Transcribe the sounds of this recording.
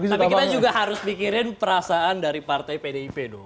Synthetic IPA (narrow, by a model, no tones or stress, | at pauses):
ɡit̪apikit̪ad͡ʒuɡaɦaɾʊspikiɾɪnpəɾasaandaɾipart̪ajpedeipedo